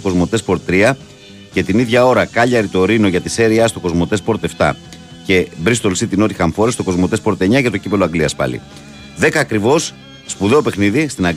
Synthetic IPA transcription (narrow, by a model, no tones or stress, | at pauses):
oko̞zmo̞t̪e̞spo̞ɾt̪t̪ːɾiɐ | ce̞t̪iniðʝɐo̞ɾɐkɐʎɐɾit̪o̞ɾino̞ʝɐt̪ise̞ɾiɐst̪o̞ko̞zmo̞t̪e̞spo̞ɾt̪e̞ft̪ɐ̰ | ce̞bɾist̪o̞lsit̪ino̞t̪ixɐɱfoɾest̪o̞ko̞zmot̪e̞spo̞ɾt̪e̞ɲɐcɐt̪o̞cipe̞loɐɡliɐspɐ̰lḭ | ðe̞kɐːkɾivo̞sː | puðe̞ope̞xniðist̪inɐɡ